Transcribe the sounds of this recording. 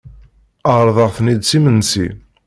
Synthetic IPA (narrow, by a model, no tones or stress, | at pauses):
əɾˤðˤəʁθnid̪̚simənsḭ